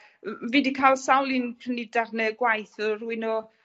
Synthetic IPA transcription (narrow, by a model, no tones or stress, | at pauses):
viːdikʰalˠsawlˠɪnpʰrənidarnɛɡwajθɔruɨnɔ